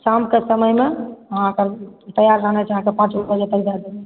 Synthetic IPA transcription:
kamkesəməjmeəɦãkəɾt̪əjaɾd͡ʒanɛt͡ʃʰɦãkepãt͡ʃbobəd͡ʒet̪əkd͡ʒad̪e

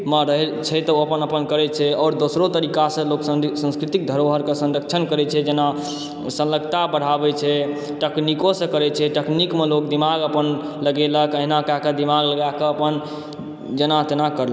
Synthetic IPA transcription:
məɾəɦɛt͡ʃʰɛt̪ɔəpənəpənkəɾɛt͡ʃʰɛɔːɾd̪osɾot̪əɾikasə̃loksə̃sə̃nskɾit̪ik̚d̪ʱəɾoɦəɾkesə̃nɾək̚t͡ʃʰənkəɾɛt͡ʃʰɛd͡ʒena | sə̃nləɡt̪abəɽ̤abɛt͡ʃʰɛ | ʈəknikosə̃kəɾɛt͡ʃʰɛʈəknikmelok̚d̪imaɡəpən | ləɡeləkəɦnakaked̪imaɡləɡakeəpən | d͡ʒenat̪enakəɾlə

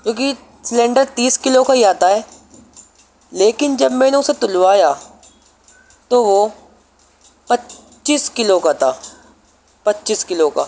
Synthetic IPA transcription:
kjõːk̬i | slɛ̃ːɳɖəɾt̪iːskɪlokaiaːt̪aɦɛː | leːkɪnd͡ʒɐbmɛ̃ːnõset̪ʊlʋaːja | t̪oʋo | pɐt | t͡ʃiːskɪlokat̪aː | pɐtːʃiːskɪloka̰

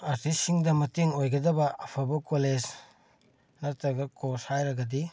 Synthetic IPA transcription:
aɾtʰisiŋdɐmɐteŋojɡɐdɐbɐːpʰabɐkoled͡ʒ | nɐtɐɡɐkoshajɾɐɡɐdi

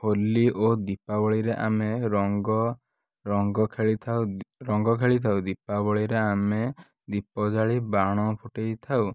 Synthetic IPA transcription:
holːiʔod̪ipabɔɭiɾeʔameɾɔŋɡɔ | ɾɔŋɡɔkʰeɭit̪ʰawɾɔŋɡɔkʰeɭit̪ʰawd̪ipabɔɭiɾeame | d̪ipɔd͡ʒaɭibaɽ̃ɔpʰuʈejt̪ʰaw

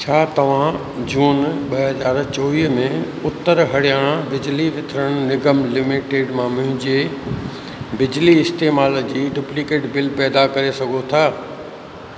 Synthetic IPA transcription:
t͡ɕʰaːt̪ɐʋ̤ã | d͡ʑuːnɓɐɦɐzaːɾt͡ɕoːʋiːɦmẽ | ʊt̪ːəɾɦɐɽjaːɽ̃əbɪd͡ʑliʋɪt̪ʰɾəɽ̃nɪɡəmlɪmiʈeːɖmãmʊ̃ɦɪ̃d͡ʑe | bɪd͡ʑliɪst̪eːmaːld͡ʑiːɖʊːplikeːʈbɪlpɛːd̪akɐɾesɐɡʱot̪ʰaː

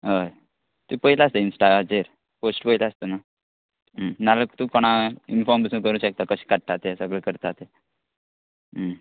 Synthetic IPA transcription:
ɦəj | t̪upəɦilaast̪einsʈajəd͡ʑeɾ | posʈpəɦilaast̪əna | ənaləkt̪ũkɔɽ̃ainfɔɾmb̪əsuːnkəɾũɕək̚t̪akəɕi̥kaʈ̚t̪at̪esəɡɭekəɾt̪at̪e | ə

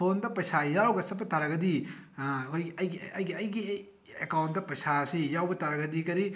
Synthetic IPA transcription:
pʰondɐpɐjsajawɡɐsɐpːɐtaɾɐɡɐdi | kʰojɡiɐjɡiɐjɡiɐjɡi | ekawnt̚dɐpɐjsasijawbɐtaɾɐɡɐdikɐɾi

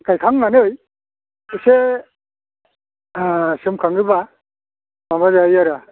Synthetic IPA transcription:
kajkʰaŋnanɯj | ise | sɯmkʰaŋɯba | maβazajaɾa

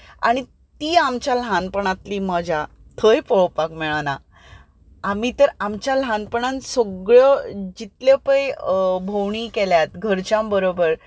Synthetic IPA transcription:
a̰ɽ̃i | t̪iːamt͡ɕjalɦãnpəɳ̃ãt̪liːməd͡ʑʱa | t̪ʰəjpəɭpakmɛɭanaː | m̤it̪əɾamt͡ɕjalɦãnpəɳansoɡɭəd͡ʑit̪ləpəjbʱowɳikeljat̪ɡʱəɾt͡ɕjambəɾobəɾ

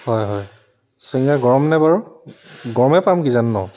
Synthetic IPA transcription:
hɔjɦɔj | siŋɡaɡɔɹɔmnɛbaɹuɡɔɹɔmɛpamɡizanːɔ

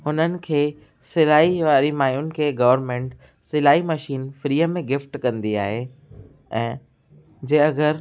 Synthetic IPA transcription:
ɦʊnənɪ̆kʰeː | sɪlaːiʋaːɾimaːjʊnɪ̆kʰeːɡɐʋəɾmẽːɳʈ | sɪlaːimɐʃiːnfɾiːəmẽɡɪfʈkɐ̃nd̪ia̰ːɦe | ɛ̃ː | d͡ʑẽːɐɡəɾ

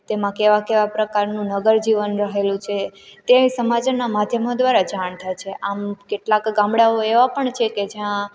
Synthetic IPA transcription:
t̪emãkeʋakeʋapɾəkaɾnũnəɡəɾd͡ʒiʋənɾəɦelũt͡ʃʰet̪esəmad͡ʒənamad̪ʱjəmod̪ʋaɾad͡ʒaɳt̪ʰajt͡ʃʰeʔamkeʈlakɡãmɽaoeʋapəɳt͡ʃʰeked͡ʒjã

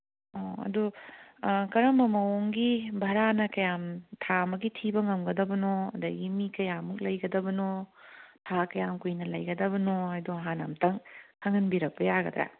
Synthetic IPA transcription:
oɐ̰du | kɐɾɐmɐmɐoŋɡibʱɐɾanɐkɐjamtʰaɐmɐɡitʰibɐŋɐmɡɐdɐbɐnoɐ̰d̪ɐɡimikɐjamuk̚lɐjɡɐdɐbɐnotʰakɐjamkujnɐlɐjɡɐdɐβɐnoɦajdoɦana̰mtɐŋkʰɐŋɐnbiɾɐk̚pɐjaɡɐ̰d̪ɾa̰

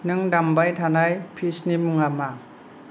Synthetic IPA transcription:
nɯŋdambajtʰanajpʰisnimuŋama

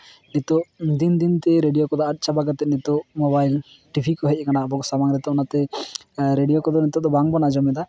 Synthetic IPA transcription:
nit̪ɔʔd̪ind̪int̪ɛɾeɖijokɔd̪ɔːt̪̚ˀt͡ʃabaɡat̪ɛnit̪ɔmɔbajl | ʈibʰʱikɔɦec̚ˀkanabɔɡsamaŋɾɛt̪ɔɔnat̪ɛ | ɾeɖijokɔd̪ɔnit̪ɔd̪ɔbaŋbɔnad͡ʒɔmɛd̪a

